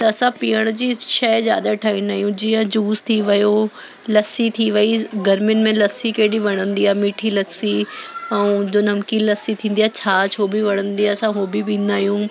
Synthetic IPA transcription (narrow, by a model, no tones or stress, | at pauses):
t̪ɐɐsãpiːəɽ̃d͡ʑiːʃɛzja̰ːd̪aʈʰaːĩːnaːɦijũd͡ʑiːə̃d͡ʑuːst̪ʰiʋɐjo | lɐsit̪ʰiʋɐiɡɐɾmjʊnɪ̆mẽlɐsikeːɗiʋɐɽ̃ə̃nd̪iaːmiːʈʰilɐsiɛ̃d͡ʑoːnɐmkilɐsit̪ʰĩːn̆d̪ijaːt͡ɕʰaːt͡ɕʰoːbʱiʋɐɽ̃ə̃nd̪iaːɐsãɦoːbʱipĩːn̆d̪aːɦijũː